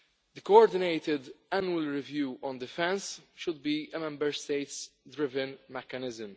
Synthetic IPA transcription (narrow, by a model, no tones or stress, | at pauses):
d̪əkoɔɾd̪ɪneɪt̪ɪd̪ænjuəlɹɪvjuːʔɔ̃nd̪ɪfɛ̃nsʃʊd̪̚biːəmɛ̃mbəɾst̪eɪt̪sd̪ɾɪvɪ̃nmɛkənɪzɪ̃m